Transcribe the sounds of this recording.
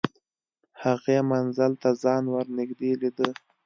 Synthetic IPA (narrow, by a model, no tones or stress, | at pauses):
haɣemanzalt̪azɑnwəɾnɪɡd̪elid̪ə